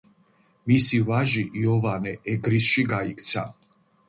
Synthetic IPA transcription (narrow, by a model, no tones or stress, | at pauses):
misivaʒiʔiɔvanɛɛɡɾisʃiɡaikʰt̪sʰa̰